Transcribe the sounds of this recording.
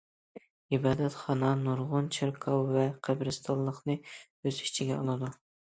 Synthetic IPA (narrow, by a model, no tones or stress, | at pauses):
ibɑːd̪ɛt̪χɑnɑnuɾʁʊnt͡ʃʰɪɾkʰɑwvɛqʰæbɾɨst̪ʰɑlˠːəχnɨ | øzi̥t͡ʃʰiɡʲɛolˠɨd̪u